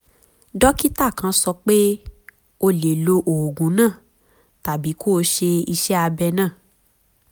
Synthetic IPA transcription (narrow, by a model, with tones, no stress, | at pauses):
dɔ˦ki˦ta˦˨kã˧sɔ˧k͡pe˦ | o˧le˨lo˧ʔo˨ɡũ˨˦nãː˦˨ | ta˨bi˨˦ko˦˧˦ʃe˧i˧ʃɛ˦a˧bɛ˧nãː˦˨